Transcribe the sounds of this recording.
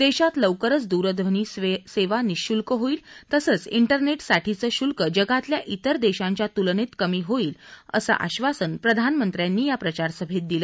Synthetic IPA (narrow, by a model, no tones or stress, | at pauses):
d̪eɕat̪ləʋkəɾət͡sd̪uɾəd̪ʋəniːseʋaniɕulkəɦoiːlt̪əsəːt͡siɳʈəɾneʈsaʈʰit͡səːɕulkəd͡ʑəɡat̪ljaʔit̪əɾd̪eɕãɲt͡ɕjat̪ulnet̪kəmiːɦoiːlə̰sa̰ʔa̰ɕʋasənpɾəd̪ʱanmənt̪ɾjãnːiːjapɾət͡ɕaɾsəbʱet̪̚d̪ilə